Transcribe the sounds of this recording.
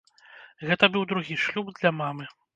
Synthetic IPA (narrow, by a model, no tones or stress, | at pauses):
ɣɛt̪ɐbɨwd̪ɾuɣʲiʂlʲubd̪lʲɐmamɨ